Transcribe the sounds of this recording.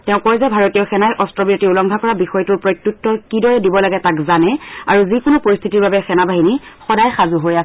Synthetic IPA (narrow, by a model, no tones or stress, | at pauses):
tɛʊ̃kɔjzɛbʱaɹotijɔxɛnajʔɔstɹɔbiɔtiulɔŋɡʱakɔɹabixɔjtuɹpɹojtjut̚tːɔkidɔɹɛdibɔlaɡɛtakzanɛaɹuzikʊnupɔɹist̪ʰitiɹbabɛxɛnabʱaɦinixɔdajxazuɦoja